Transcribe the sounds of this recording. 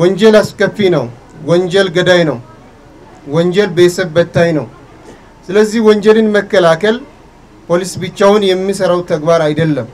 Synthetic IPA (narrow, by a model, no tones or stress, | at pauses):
wɔnd͡ʒɛlaskʼəfːinəw | wɔnd͡ʒɛlɡəd̪ajnəw | wɔɲd͡ʒɛlbesəbbət̪ːajnəw | sɨləzːihwɔnd͡ʒɛlɨnməkːəlakəl | pʰo̞lisbɨt͡ʃːawʊnjɛmːisəɾawt̪ʰəɡbaɾajd̪əlːəm